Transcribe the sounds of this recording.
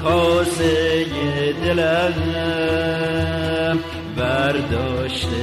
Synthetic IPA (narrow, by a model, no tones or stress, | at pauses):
kʰɒːsejed̪elæn | bæɾd̪ɒːʃt̪e